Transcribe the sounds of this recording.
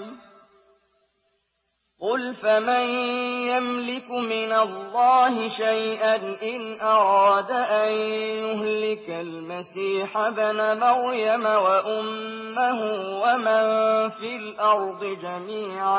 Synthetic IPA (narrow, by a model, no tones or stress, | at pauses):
qʊlfamanjamlɪkmɪnalːɑːɦɪʃajʔanʔɪnʔɑɾɑːd̪aʔanjʊɦlɪkalmasiːħabɪnamaɾjamawaʔʊmː | aɦʊwamanfilʔɑɾˤd̪ˤɨd͡ʒamiːʕa